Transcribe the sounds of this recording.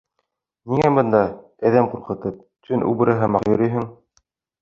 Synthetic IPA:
niŋæbɤ̆nd̪ɑ | æðæmquɾqɤ̆t̪ɤp̚ | t̪ʰɵnʔʉ̰bɘ̆ɾʔɤɦɑmɑqjɵ̆ɾɵjɦɘŋ

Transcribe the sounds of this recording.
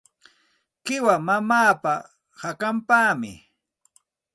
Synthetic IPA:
kɪwamamaːpa | hakampaːmɪ̰

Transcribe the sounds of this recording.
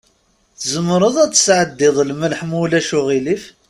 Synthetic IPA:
θzəmːɾˤəðˤæt͡sːə̥sʕəd̪ːɪðˤlməlħmulæʃʊʁilif

